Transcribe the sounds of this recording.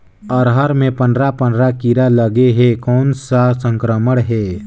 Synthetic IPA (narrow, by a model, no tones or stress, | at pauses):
ɔːɾɦəɾmẽpə̃nd̪ɾapə̃ndɾakiɾaləɡeɦekɔːnsasə̃ŋkɾəməɽɦɛː